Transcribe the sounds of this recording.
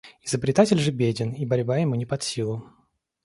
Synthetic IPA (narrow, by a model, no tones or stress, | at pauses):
ɪzəbɾʲɪt̪atʲɪlʲʐɨbʲedʲɪnibɐɾʲbajɪmunʲɪpɐt̪sʲilˠʊ